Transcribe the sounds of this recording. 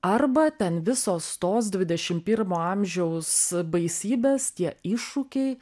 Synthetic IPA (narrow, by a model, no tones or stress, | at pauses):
ɐrbɐt̪ʲɛnʋʲɪsoːst̪oːsd̪ʲʋʲɪd̪ʲɛʃʲɪmpʲɪɾmoːɐmʲʒʲɛʊsbɐɪsʲiːbʲeːst̪ʲiɛɪʃʊkʲɛɪ